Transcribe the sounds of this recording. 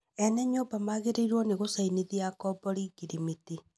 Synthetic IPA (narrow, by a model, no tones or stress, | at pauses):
ɛnɛɲoːbamaːɣeɾeiɾwɔneɣosaineðiakɔbɔɾiɡiɾimiti